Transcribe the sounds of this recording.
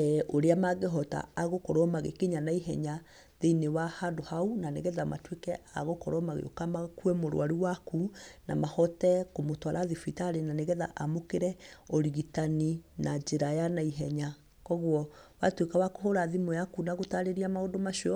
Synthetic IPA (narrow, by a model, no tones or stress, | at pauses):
ɛʔoɾeamaɡeɦɔta̰ːɣokɔɾwɔmaɣḛkeɲanaiɦɛ̰ɲa | ðeinewahadohaunaneɣɛðama̰twekɛa̰ɣokɔ̰ɾwɔmaɣḛo̰kamakuɛmoɾw̰aɾiwakunamahɔtɛkomotwaɾaðifitaɾenaneɣɛða̰ʔamokeɾɛɔɾiɣitaninad͡ʒeɾajanaiɦɛɲa | kɔɣwɔwatwekawakohoɾaðimɔjakunaɣotaɾeɾiamaodomaʃiɔ